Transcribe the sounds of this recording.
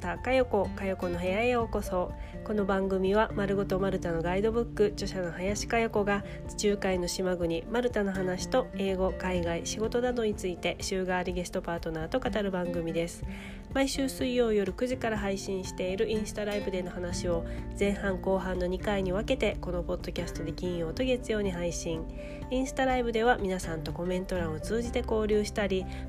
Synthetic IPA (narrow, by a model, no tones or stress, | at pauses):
t̪akajo̞ko̞kajo̞ko̞no̞ɦajaeoko̞so̞ː | ko̞no̞bãŋɡɯ̟mʲiβamaɾɯ̟ɡot̪o̞maɾɯ̟t̪ano̞ɡaid̪o̞bɯ̟kːɯ̟t͡ɕo̞ɕano̞hajaɕi̥kajoko̞ɡa | t͡ɕi̥t͡ɕɨːkaino̞ɕimaɡɯ̟ɲ̟imaɾɯ̟t̪ano̞ɦanaɕi̥t̪o̞e̞ːɡo̞kaiɡaiɕiɡo̞t̪o̞d̪ad̪o̞ɲ̟it͡sɨit̪e̞ɕɨːɡaːɾʲiɡe̞sɨ̥t̪o̞paːt̪o̞naːt̪o̞kat̪aɾɯ̟bãŋɡɯ̟mʲid̪e̞sɨ̥ | maiɕɨːsɨijːo̞ːijo̞ɾɯ̟kɯ̟ʑikaɾaɦaiɕĩɰ̃ɕi̥t̪e̞iɾɯ̟ʔĩɰ̃sɨ̥t̪aɾaibɯ̟d̪e̞no̞hanaɕio̞d͡zẽ̞ɰ̃hãŋko̞ːɦãnːo̞ɲ̟ikaiɲ̟iβ̞ake̞t̪e̞ko̞no̞po̞d̪̥ːo̞kʲasɨ̥t̪o̞d̪e̞kʲĩɰ̃jo̞ːt̪o̞ɡe̞t͡sɨjo̞ːɲ̟iɦaiɕĩŋ | ĩɰ̃sɨ̥t̪aɾaibɯ̟d̪e̞βamʲinasãnt̪o̞ko̞mẽ̞nt̪o̞ɾãɰ̃o̞t͡sɨːʑit̪e̞ko̞ːɾʲɯːɕi̥t̪aɾʲi